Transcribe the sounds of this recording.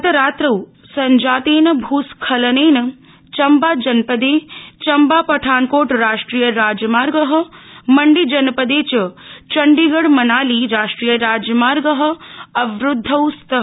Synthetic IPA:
ɐt̪ɐɾaːt̪ɾɐw | sɐɲd͡ʒaːt̪eːnɐbʱuːskʰɐlɐneːnɐ | t͡ʃɐmbaːd͡ʒɐnpɐd̪eːt͡ʃɐmbaːpɐʈʰaːnkoːʈɾaːʂʈɾiːjəɾaːd͡ʒɐmaːɾɡəɦɐ̆mɐɳɖid͡ʒɐnɐpɐd̪eːt͡ʃɐt͡ʃɐɳɖiɡɐɽmɐnaːliɾaːʂʈɾiːjəɾaːd͡ʒjɐmaːɾɡəɦə̆ɐʋɾʊd̪ʱːɐwst̪ɐɦ

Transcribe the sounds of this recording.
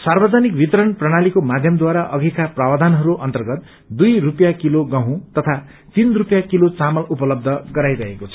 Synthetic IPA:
sarbʌd͡zanikbʱit̪ʌɾʌnprʌɽ̃alikomad̪ʱjʌmd̪waɾaʔʌɡʱikaprawad̪ʱanɦʌɾuʔʌnt̪ʌrɡʌt̪̚ | d̪ujrupjakiloɡãɦũt̪ʌt̪ʰa | t̪inrupjakilot͡samʌlupʌlʌb̚d̪ʱʌɡʌɾajɾʌɦekot͡sʰʌ

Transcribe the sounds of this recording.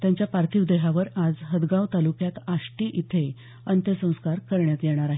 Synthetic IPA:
t̪jaɲt͡ɕjapaɾt̪ʰiʋd̪eɦaʋəɾad͡zɦəd̪ɡawt̪alukjat̪aʂʈiːʔit̪ʰe | ənt̪jəsə̃w̃skaɾkəɾɳjat̪jɛɽ̃aɾaɦe

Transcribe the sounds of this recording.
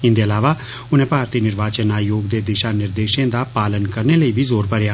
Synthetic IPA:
ɪ̃nd̪eɐlaːʋa | ʊnẽːpaːɾt̪iːnɪɾʋaːt͡ʃənːaːjoːɡd̪eːd̪ɪʃanɪɾd̪eːʃẽd̪aːpaːlənkəɾneləibʱizoːɾpəɾjaː

